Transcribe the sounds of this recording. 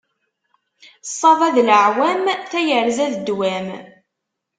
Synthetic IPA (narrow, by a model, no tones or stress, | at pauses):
sˤːɑðˤæðləʕwæmθæjəɾzæðəd̪ːwæm